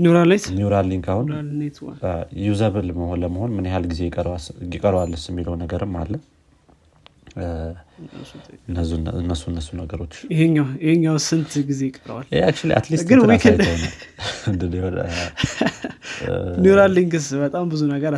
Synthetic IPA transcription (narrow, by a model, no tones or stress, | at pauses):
nuɾalnajt̪njuɾalːiŋɡahunnt̪ajuzəβɨlməhonləməho̞nmɨnjehalɡize̞jɪkʼəɾwajɪkʼəɾwalːɨsɪmːiləwnəɡəɾɨmːa̰lːə | nːɨnːəsːuɨnːəsunəɡəɾo̞t͡ʃːjɪheɲːawjɪheɲːawsɨnt̪ʰɡize̞jɪkʼːəɾ̰wa̰lʔeak̚t͡ʃualiʔa̰t̪lisɡɨnwitkʰend̪wnalɨnd̪ɨd̪e | njuɾaliŋɡɨsbət̪ʼambɨzunəɡəɾ